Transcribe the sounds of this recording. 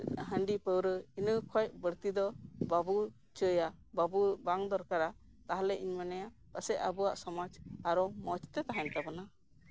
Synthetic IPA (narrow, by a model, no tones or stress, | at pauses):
ɦəɳɖipəwɾəinəkʰɔjbəɾt̪id̪ɔbabu | t͡ʃəja | babubaŋd̪ɔɾkaɾa | t̪aɦalɛʔiɲmanɛja | pəsɛabua̰ʔsɔmad͡ʒaɾɔmɔt͡ʃt̪ɛt̪aɦant̪abɔna